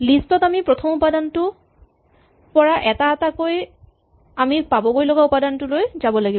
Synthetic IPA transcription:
listɔtamipɹɔtʰɔmupadantʊ | pɔɹaʔɛtaːtakoj | amipabɔɡojlɔɡaupadantʊlojzabɔlaɡib

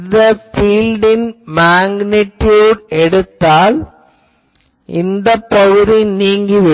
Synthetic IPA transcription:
ðɐfiːlɖɪnmaːŋɡnɪʈːjuːɖɛɽɯt̪ːaːl | ʔɪnd̪ɐpːɐɣɯðiniːŋɡiʋɪ

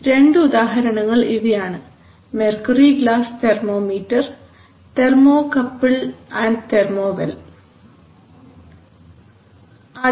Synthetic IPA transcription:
ɾe̞ɳɖɨuðaːɦɐɾɐɳɐŋːɐɭiʋijaːɳɨ | merkɐriɡɭaːst̪ermoːmiːʈːɐr | t̪e̞rmo̞ːkɐpːɨɭaːnt̪ermoːʋɐ̰l | ɐ

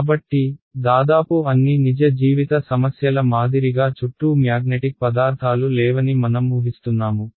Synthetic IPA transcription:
kaːbɐʈːid̪aːd̪aːpuɐnːinid͡ʒɐd͡ʒiːʋit̪ɐsɐmɐsjɐlɐmaːd̪iɾiɡaːt͡ʃuʈːumjaːɡ̚neʈik̚pɐd̪aːɾt̪ʰaːlulɛːʋɐnimɐnɐmːuːɦist̪unːaːmu

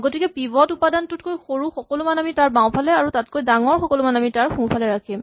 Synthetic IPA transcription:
ɡotikɛpibɔtupadantʊt̚kojxoɹuxɔkɔlʊmanamitaɹbaw̃pʰalɛaɹutat̚kojdaŋɔɹxɔkɔlʊmanamitaɹxũpʰalɛɹakʰim

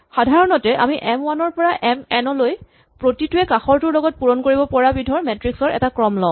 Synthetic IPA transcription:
xadʱaɹɔnɔtɛʔa̰miʔɛmwanɔɹpɔɹaʔɛmɛnɔloj | pɹotitʊɛkaxɔɹtʊɹlɔɡɔt̚puɹɔnkoɹibɔpɔɹabidʱɔɹmɛtɹiksɔɹɛ̰takɹɔmlɔ

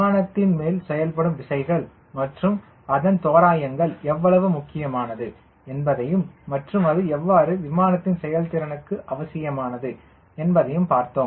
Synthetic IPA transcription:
aːnɐt̪ːɪnmeːlsɛjɐlpɐɽɯmʋɪsɐɪɣɐɭ | mɐʈrɯm | ɐðɐnt̪oːɾaːjɐŋɡɐɭɛʋːɐɭɐʋɯmʊkːɪjɐmaːnɐðɯ | ɛnbɐðɐjɯmːɐʈrɯmɐðɯɛʋːaːɾɯʋɪmaːnɐt̪ːɪnsɛjɐlt̪ɪɾɐnɯkːɯʔɐʋɐsɪjɐmaːnɐðɯ | ɛnbɐðɐjɯmpaːɾt̪oː

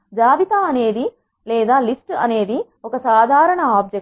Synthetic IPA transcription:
d͡ʒaːbit̪aɐne̞ːd̪i | lɛːd̪aːlisʈɐ̰ne̞ːd̪i | ɔkɐsaːd̪ʱaːɾɐɳɐaːb̚d͡ʒe

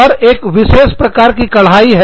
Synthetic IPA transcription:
ɔɾeːkʋɪʃoːspɾɐkaːɾkikɐɭ̤ɦaːiɦɛ

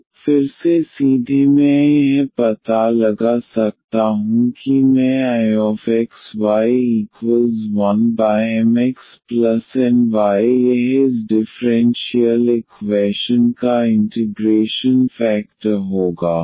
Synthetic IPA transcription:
fɪɾsesiːd̪ʱimɛ̃jɐɦpɐt̪alɐɡasɐk̚t̪aɦũkimɛ̃aːjɔːfɛksʋaːiiːkwəlzʋɐnbaːɛmɛksplɐsɛ̃nʋaːjjeɦɪzɖɪfɾɛ̃nʃiəlɪkʋɛːʃənkaɪ̃ɳʈɪɡɾeːʃənfɛːk̚ʈəɾɦoːɡaː

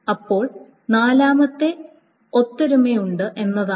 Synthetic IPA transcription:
ɐpːo̞ːɭ | naːlaːmɐt̪ːe̞ | o̞t̪ːɐɾumejuɳɖɨʔe̞nːɐðaː

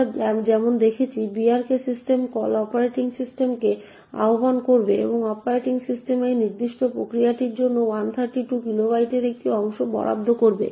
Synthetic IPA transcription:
ɛbd͡ʑɛmond̪ekʰet͡ɕʰibiaɾkesisʈemkɔlɔpaɾeʈiŋsisʈemke | a̰ɦobankoɾbeḛboŋɔpaɾajʈiŋsisʈemejniɾd̪iʃʈopɾokɾijaʈiɾd͡ʑonːowant̪ʰaɾʈiʈukiloβajʈeɾek̚ʈiɔŋʃobɔ̰ɾʔa̰b̚d̪ʱːokoɾbḛ

